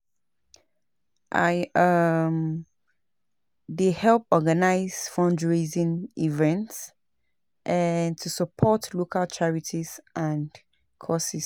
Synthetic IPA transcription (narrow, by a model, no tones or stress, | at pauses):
ʔa̰ɪʌm | dehɛlˠp̚ɔɡanaɪz̥fɔ̃nd͡ʒɹezĩnivɛ̃nts | ʔantʰusəpʰɔtlokʰalt͡ʃʰaɹitʰizʔãn | kʰɔsis